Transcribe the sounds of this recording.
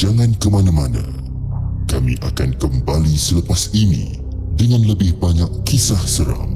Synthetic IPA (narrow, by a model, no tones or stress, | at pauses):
d͡ʒaŋãnkəmanãmanã̰ | kamḭ̃ʔakankəmbalisələpasinḭ̃ | dəŋãnləbɪhbaɲakːisahsəɾa̰m